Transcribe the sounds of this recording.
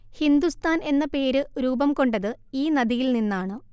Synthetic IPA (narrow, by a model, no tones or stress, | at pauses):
hind̪ust̪ʰaːne̞nːɐpe̞ːɾɨɾuːbɐmko̞ɳɖɐðɨiːnɐðijilninːaːɳɨ